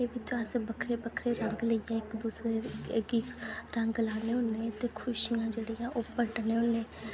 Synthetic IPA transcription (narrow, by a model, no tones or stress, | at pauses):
eːʋɪt͡ʃəsbəkʰɾeːbəkʰɾeːɾəŋɡləijãːɪkbusɾeːɡiɾəŋɡlaːneːʊnẽːt̪eːkʰʊʃijãːd͡ʒeːɽijãːʔopəʈnẽːʊnẽː